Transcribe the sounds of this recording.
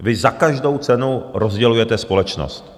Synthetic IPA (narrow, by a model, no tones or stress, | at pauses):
vɪzakaʒdo̞wt͡sɛnuɾozɟɛlujɛt̪ɛspo̞lɛt͡ʃno̰st̪